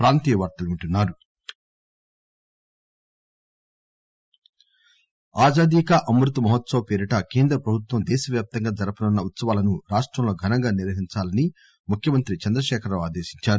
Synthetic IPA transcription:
pɾaːnt̪iːjɐʋɐɾt̪ɐluɳʈunːaːɾu | aːd͡ʒaːd̪ikɐʔɐmɾut̪umɐɦɐt̪sɐʋɐpeːɾiʈɐkeːnd̪ɾɐpɾɐbʱut̪ʋɐmd̪ɛːʃɐʋjaːp̚t̪ɐŋɡaːd͡ʒɐɾɐpunɐnːɐut̪sɐʋaːlɐnuɾaːʂʈɾɐmlo̞ːɡʱɐnɐŋɡaːniɾʋɐɦiɲt͡ʃaːlɐni | mukʰjɐmɐnt̪ɾit͡ʃɐnd̪ɾɐʃɛːkʰɐɾloːaːd̪eːʃiɲt͡ʃaːɾu

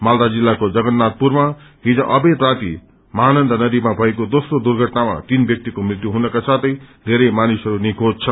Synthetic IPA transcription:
mald̪ad͡zilːakod͡zʌɡʌnːat̪̚purmaɦid͡zʌ̃ʔʌbed̪rat̪ḭ | mʌɦanʌnd̪ʱʌnʌd̪imabʱʌekod̪osrod̪urɡʱʌʈnama̰t̪inbjʌk̚t̪ikomrit̪juɦunʌkasat̪ʰʌjd̪ʱeɾʌjmanisɦʌɾunikʰod͡zt͡sʰʌ

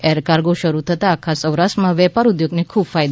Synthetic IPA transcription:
eɾkaɾɡoʃəɾut̪ʰət̪aːkʰasə̃wɾaʃʈmãʋɛpaɾud̪joɡnekʰubfajd̪

